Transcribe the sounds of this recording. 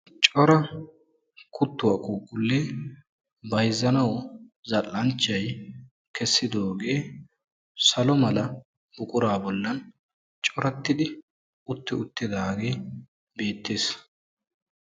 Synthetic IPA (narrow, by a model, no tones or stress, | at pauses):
t͡ʃʼɔɾɐ | kʰʊt̪ːʊwɐkʼuːkʼːʊlːeː | bɐjzːɐnɐwzɐlːɐnt͡ʃːɐj | kɛsːɪd̪o̞ːɡe̞ː | sɐlɔmɐlɐ | bʊkʼʊɾaːbɔlːɐn | t͡ʃʼɔɾɐt̪ːɪd̪ɪ | ʊt̪ːɪʊt̪ːɪd̪aːɡe̞ː | be̞ːt̪ːe̞ːs